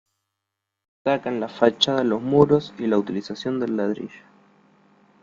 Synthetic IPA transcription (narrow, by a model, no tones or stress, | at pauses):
takanlafat͡ʃað̞alo̞zmuɾosilaut̪ilisasjo̞nd̪elalaðɾḭʒo̥